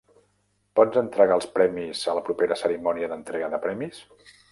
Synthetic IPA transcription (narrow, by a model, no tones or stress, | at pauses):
pɔd͡zənt̪ɾəɣalˠspɾɛmizələpɾupeɾəsəɾimɔniəðənt̪ɾɛɣəðəpɾɛmis